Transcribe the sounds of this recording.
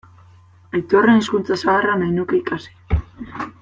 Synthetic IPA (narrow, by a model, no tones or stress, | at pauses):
et̪o̞reniskunt͡sasaɣaranajnuke̞ikasi̥